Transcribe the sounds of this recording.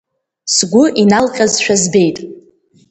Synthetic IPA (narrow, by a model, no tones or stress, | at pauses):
sɡʷʊʔinalqʲʼazʃᶣazbe̞jtʼ